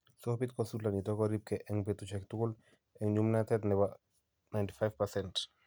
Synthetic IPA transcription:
sɔhpit̚kɔnsultanitɔkɔɾip̚kɛʔɛŋpetut͡ʃɛktukul | ɛŋɲumnatɛtnɛba | najnti̥fajfpasɛnt

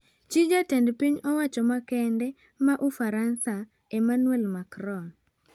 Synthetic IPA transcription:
t͡ʃid͡ʒatɛndpiɲɔwat͡ʃɔmakɛndɛ | maʔufaɾansa | emanwɛlmakɾɔn

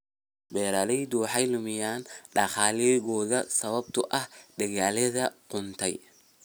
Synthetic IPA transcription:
bɛːɾɐlɛjd̪uːħɑjlʊmɪjaːnɖɐχaːlɛɣɔːðɐsɐβɐb̚t̪ʰʊʔɐhd̪ɐɣaːlɐðɐqʊnt̪ʰɛj

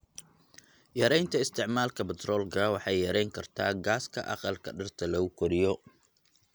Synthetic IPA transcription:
jɐɾɛjnt̪ʰɐɪst̪ʰɪʕmaːlkʰɐbɛt̪rɔːlkʰɐwɑħɑjːɐɾɛjŋkʰɐrt̪ʰa̰ːɡaːskʰɐʔɑ̰qɑlkʰɐ̰ɖɐrt̪ʰɐlɐʊkʰɔɾɪjɔ

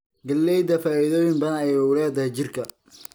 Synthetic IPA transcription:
ɡɐlːɛjd̪ɐfaːɪðoːjɪŋbɐnɐjwʊlɛːd̪ɐt͡ʃɪrkʰɐ

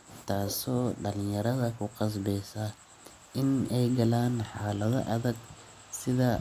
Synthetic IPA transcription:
t̪ʰaːsɔːɖɐlɪjɐɾɐðɐkʰʊqɑs̬bɛjsɐ | ʔɪnɛjɡɐlaːnħaːlɐðɐ̰ʔɐðɐɡ | sɪðɐ

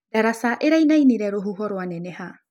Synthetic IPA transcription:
daɾasaʔeɾajnajniɾɛɾoɦuɦɔɾoanɛneha

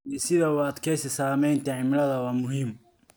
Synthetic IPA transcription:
isɪðɐʊɐd̪kʰɛjsɐsaːmɛjnt̪ʰɐʕɪmɪlɐðɐwaːmʊɦim

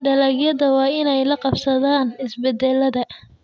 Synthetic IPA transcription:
ɖɐlɐɣjɐðɐwɑːɪnɛjlɐqɑbsɐðaːnɪsbɛd̪ɛlːɐðɐ

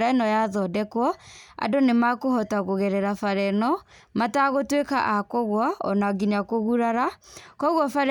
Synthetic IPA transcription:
ɾanɔjaðɔdɛkwɔa̰donemakohɔtaɣoɣɛɾɛɾafaɾɛnɔ | mataɣotweka̰ʔakɔɣwaɔ̰naɡiɲakoɣuɾaɾakɔɣwɔfaɾ

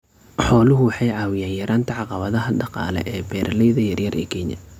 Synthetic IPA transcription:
ħɔːlʊɦʊwɑħɑjʕɑːwɪjaːnjɐɾʔaːnt̪ʰɐʕɑqɑβɐðɐɦɐɖɑqɑ̰ːlɛ̰ʔɛːbɛːɾʔlɛjðɐjɐrjɐrʔɛ̰ːkʰɛɲjɐ̰

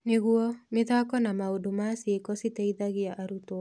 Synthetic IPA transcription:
nɪɣuɔmɪðakɔnamaodumasekɔsiteiðaɣɪaʔːɾut̪o

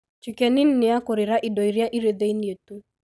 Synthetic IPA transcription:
t͡ʃikɛnin̩nɪakoɾeɾaʔidɔiɾjaʔiɾeðeinietu

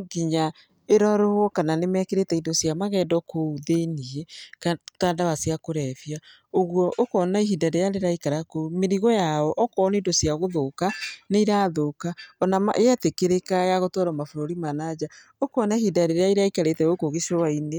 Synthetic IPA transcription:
ɡiɲa | eɾɔɾowɔkananemɛkeɾetɛindosjamaɣɛːdɔkouðeniekatadaβasiakoɾɛfia | oɣwɔʔokɔnaiɦidaɾejaɾeɾaikaɾakoumeɾiɣɔjaɔʔɔkɔnindosjaɣoðokaneiɾaðokaɔnama̰ʔeɛtekeɾekajaɣotɔɾɔmafoɾoɾimanad͡ʑa | okoɔnaihidaɾeɾeaiɾeaikaɾetɛokoɣeʃɔwaine

